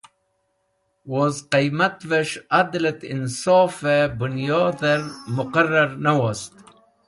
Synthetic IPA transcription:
wozqijmat̪veʃad̪lat̪ɪnsɔːfebʊnjɑːd̪eɾmʊqarːaɾnawast̪

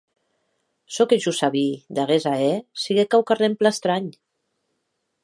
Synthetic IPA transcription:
sɔkeʒusaβid̪aɣezaɛsiɣekawkaremplast̪ɾaɲ

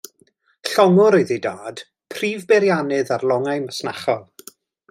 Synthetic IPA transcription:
ɬɔŋʊɾojðidaːd̥ | pʰriːvbɛɾjanɨðarlˠɔŋajməsna̰χɔlˠ

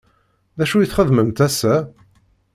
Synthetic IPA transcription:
ðæʃujiθχəðməmt̪æsæ

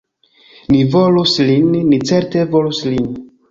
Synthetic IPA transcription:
nivo̞luslinːit͡se̞ɾtevoluslin

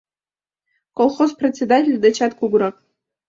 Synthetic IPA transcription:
kʼolˠχozpret͡sʲːedatʲʰelʲd̪at͡ʃʰatɡʷuɡʷɾapʼ

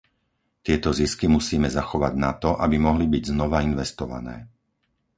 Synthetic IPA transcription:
t̪ɪɛt̪ɔziskimusiːmɛzaxɔʋaɟnat̪ɔʔabimɔɦlibiɟznɔʋainʋɛst̪ɔʋa̰nɛ̰ː

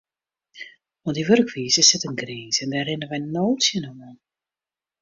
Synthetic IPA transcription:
ɔndiʋørkʋiːzəsɪtənɡriːzɛndarɪnənʋɛjnowtsjənəmɔn

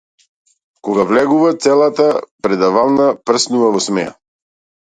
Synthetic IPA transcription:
kɔɡavlɛɡuvat̪sɛlˠat̪apɾɛd̪avalˠnapr̩snuvavɔsmɛja̰

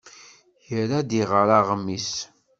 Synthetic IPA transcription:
çəɾad̪iʁəɾaʁəmːis

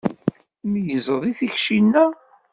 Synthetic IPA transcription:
mijəzˤəðˤiθiçʃinːæ

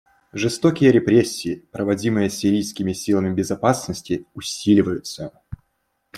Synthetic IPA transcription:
ʐɨst̪okʲɪjəɾʲɪpɾʲesʲːɪːpɾəvɐdʲimɨjəsʲɪɾʲijskʲɪmʲɪsʲilˠəmʲɪbʲɪzɐpasnəsʲtʲɪʊsʲilʲɪvəjʊt̪sə

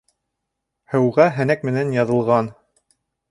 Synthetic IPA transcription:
hɘ̆wʁæɦænækmɘ̆nænjɑðɤ̆lˠʁɑn

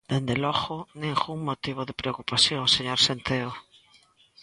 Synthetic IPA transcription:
d̪̥end̪elɔɣʊneŋɣuŋmot̪iβ̞oðepɾeokupaθjoŋseɲoɾsent̪eo

